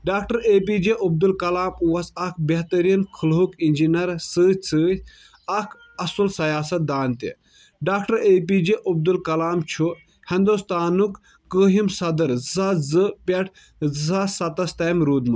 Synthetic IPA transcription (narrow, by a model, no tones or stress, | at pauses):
ɖaːk̚ʈɐɾeːp̬id͡ʒeʔub̚d̪ulkɐlaːmuɐsɐkʰbeɦt̪ɐɾinkʰɨlɦukind͡ʒinɐɾsɨt͡sʰɨ | ɐkʰ | ɐswɐlsɐjaːsɐt̪̚d̪aːnt̪ḭ | ɖaːkʈɐɾeːp̬id͡ʒiʔub̚d̪ulkɐlaːmt͡ʃʰu | hind̪ust̪aːnukː | əːɦimsɐd̪ɐɾzɐzɨpʲɐʈʰ | zasɐt̪ɐst̪ɐmɾuːd̪mɨ